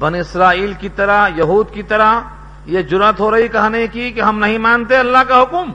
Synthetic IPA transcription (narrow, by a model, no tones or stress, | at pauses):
bɐnɪsɾaːiːlkit̪ɐɾəɦjɐɦuːd̪kit̪ɐɾəɦ | jed͡ʒʊɾət̪ɦoɾɐɦikɐɦnekikeɦɐmnɐɦĩmãːnt̪eɐlːaɦkaɦʊkm